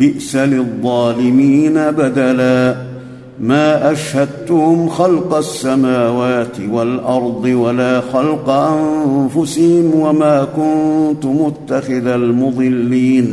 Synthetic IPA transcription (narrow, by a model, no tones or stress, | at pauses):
bɪʔsalɪðˤːɑːlɪmiːnabad̪alaː | maːʔaʃhad̪t̪ʊhʊmxɑlqɑsːamaːwaːt̪ɪwalʔɑɾˤd̪ˤɨwalaːxɑlqɑʔanfʊsɪhɪmwamaːkʊnt̪ʊmʊt̪ːaxɪðalmʊðˤɨlːiːn